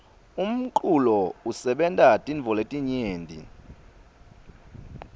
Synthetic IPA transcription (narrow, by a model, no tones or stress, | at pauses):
um̩ǃʼulɔusɛɓɛntʼatʼiɱvʱɔletʼiɲeːndʱʼḭ